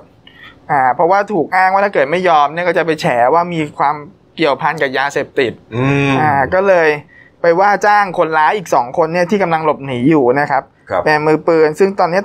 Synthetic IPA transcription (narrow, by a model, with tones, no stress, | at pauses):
ʔaː˨˩pʰɾɔ˦˥waː˥˩t̪ʰuː˨˩k̚ʔaː˥˩ŋwaː˥˩t̪ʰa˥˩kɤː˨˩t̪̚ma˥˩jːɔː˧mni˥˩ɐkɔ˥˩t͡ɕa˨˩p̬a˧jt͡ɕʰɛː˩˦waː˥˩miː˧kʰwaː˧m | ki˨˩əwpʰa˧nka˨˩p̚jaː˧seː˨˩p̚t̪i˨˩t̪̚ːʔaː˨˩kɔː˥˩lɤː˧j | pa˧jwaː˥˩t͡ɕaː˥˩ŋkʰo˧nlaː˦˥ʔiː˨˩k̚sɔː˩˦ŋkʰo˧nːi˥˩ɐt̪ʰiː˥˩ka˧mla˧ŋlo˨˩p̚niː˩˦juː˨˩na˦˥kʰa˦˥p̚ | pe˧nmɯː˧pɯː˧nsɯ˥˩ŋt̪ɔː˧nːi˦˥ɐ